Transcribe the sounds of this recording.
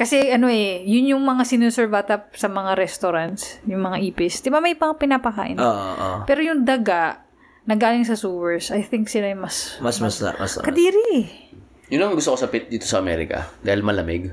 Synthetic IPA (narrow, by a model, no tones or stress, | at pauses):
kɐsɛʔɐno̞ʔɛjʊnjʊŋmɐŋasɪnusɛɹbat̪ɐp̚sɐmɐŋaɾɛst̪oɾant̪sjʊŋmɐŋaʔiːpɪsd̪ɪbamɐjpɐŋapɪnaːpɐka̰ːʔɪnoʔoʔo̰pɛːɾojʊŋd̪ɐɡaʔ | nɐɡaːlɪŋsɐsuːwɛɹsʔɐjθɪŋksɪlajmɐsmɐsmɐsɐ̰skɐd̪iːɾiʔ | jʊnːɐŋɡʊst̪okosɐpɪt̪̚d̪iːt̪osɐɐmɛ̰ɾɪ̰kɐ̰d̪aːhɪlmɐlɐmɪɡ